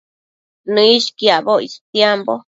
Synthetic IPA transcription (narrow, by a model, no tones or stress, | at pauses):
nɨ̃iʃkiaβoḭst̪jembo